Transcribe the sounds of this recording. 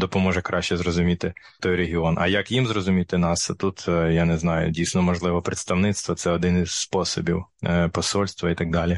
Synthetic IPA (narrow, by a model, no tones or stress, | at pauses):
d̪ɔpɔmɔʒɛkɾʔɑʃt͡ʃɛzrɔzʊmʲit̪ɪ | t̪ɔjɾeɦʲɪɔnʔɐ̰jɐkjimzɾɔzʊmʲit̪ɪnɑst̪ut̪janɛznɑjʊ̰dʲijsnɔmɔʒlˠɪʋɔpɾɪt̪st̪ɐwnɪt̪st̪ʋɔt̪sɛɔd̪ɪnɪzspɔsɔbʲiwpɔsɔlʲst̪ʋɐit̪ɑkɡ̚d̪ɑlʲi